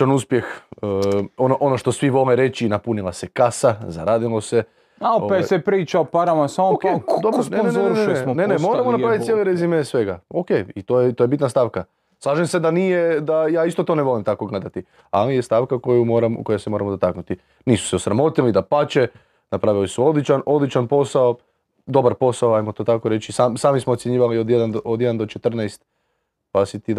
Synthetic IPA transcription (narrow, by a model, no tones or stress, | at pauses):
t͡ʃanuspjex | onoʔonoʃt̪o̞sʋiʋo̞leɾe̞t͡ʃinapunilˠasekasaza̰ɾaːd̪ilˠo̞se̞ | aooesepɾiːt͡ʃaopaɾamasamooked̪obɾonoenonenesmnenemo̞ɾamonapɾaʋit̪jeleɾezimesʋe̞ɡaokejit̪oːjet̪ojebit̪nast̪aːʋka | slˠaːʒemse̞d̪anijed̪ajaːist̪o̞t̪o̞ːneʋo̞limt̪ako̞ɡled̪at̪i | alijest̪aʋkako̞jumoɾamko̞jasemo̞ɾamoot̪aknut̪i | niːsu̥seusɾamo̞t̪ilid̪apat͡ɕe | napɾaʋilisuo̞d̪lˠit͡ʃano̞d̪lˠit͡ʃanpo̞sao | d̪o̞baɾpo̞saoajmo̞t̪oːt̪ako̞ɾe̞t͡ʃisamsaːmismot̪ʲjeɲiːʋaliod̪jed̪anod̪jed̪and̪ot͡ʃet̪r̩najst̪ | pasit̪id̪